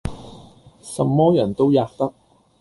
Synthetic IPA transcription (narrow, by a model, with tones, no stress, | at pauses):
sɐ˨mːɔː˥jɐ˨˩nt̪o˥wjaː˨˧k̚t̪ɐ˥k̚